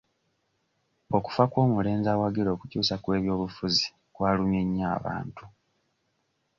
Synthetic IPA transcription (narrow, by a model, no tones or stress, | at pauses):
o̞ku̥fakwo̞ːmule̞ːnzawaɡiɾo̞ːkucuːsakwe̞ːβjo̞ːβufuzi | kwaːluɲeɲːaːβa̰ːntu